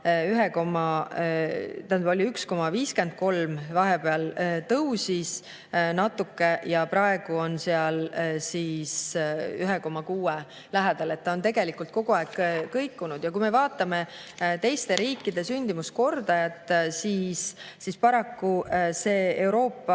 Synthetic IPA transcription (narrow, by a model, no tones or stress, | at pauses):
yɦekomɑ | t̪æolʲiyksko̞mɑviːske̞nd̪̥̚ko̞lmvɑɦepe̞ɑlt̪ɤwsis | nɑt̪ːˑukːe̞jɑpɾɑe̞ɡ̥uo̞nse̞ɑlsisyɦeko̞mɑkuːe | læɦɛd̪̥ɑle̞t̪ːɑo̞nt̪e̞ɡ̥e̞likult̪̚ko̞ɡ̥uɑekːɤjkːˑunud̪̥jɑkujme̞vɑːt̪ːˑɑme̞t̪e̞jst̪e̞ɾiːkːˑid̪̥e̞synʲd̪̥imusko̞rd̪̥ɑjɑt̪ːˑsiːsːispɑɾɑkːuse̞ːewɾo̞ːpːɑ